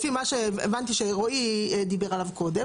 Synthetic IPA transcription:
fimaʃeːevant̪iʃeʁoid̪ibeʁalavko̞d̪e̞

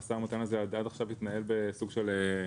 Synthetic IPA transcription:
samut̪anazead̪ad̪aχʃavit̪nae̞lbe̞suɡʃele

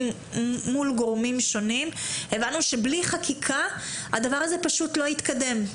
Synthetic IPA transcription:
ulɡoʁmimʃo̞nime̞vanuʃebliχakʰikʰaa̰davaʁaze̞paʃut̪lo̞it̪kade̞m

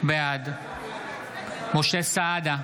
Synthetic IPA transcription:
bead̪ | moʃɛsaːd̪a

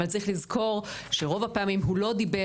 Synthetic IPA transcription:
alt͡saʁiχlizkʰo̞ʁ | ʃeʁo̞vapeːmimɦulo̞dibe

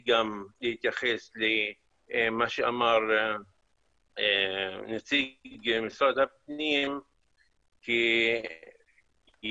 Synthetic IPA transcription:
ɡamlihit̪jaχesle | maʃeamaɾ | enat͡siɡmisɾad̪hap̚nim | ki | j

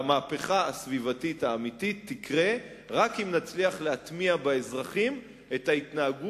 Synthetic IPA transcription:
maːpe̞χaasvivatitaːmitit̪ːikʁe̞ | ʁakimnat͡sliaχleat̪miabeezʁaχim | e̞tait̪naaɡu

